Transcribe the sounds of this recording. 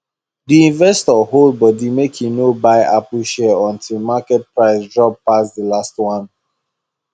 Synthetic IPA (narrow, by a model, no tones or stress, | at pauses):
diĩnvɛstɔɦold̚bɔdimekʰĩnobaɪʔapuʃɛɔ̃ntʰilˠmakɛt̚pɹaɪsdɹɔb̚pasdəlastwãn